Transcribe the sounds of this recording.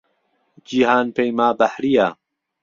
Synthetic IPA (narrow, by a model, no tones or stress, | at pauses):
d͡ʒiːhaːnpejmaːbæħɾijaː